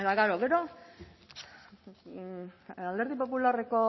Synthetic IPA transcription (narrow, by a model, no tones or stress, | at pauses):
et̪aɣaɾoɡe̞ɾo̞ | ald̪e̞ɾðip̬o̞pulare̞ko̞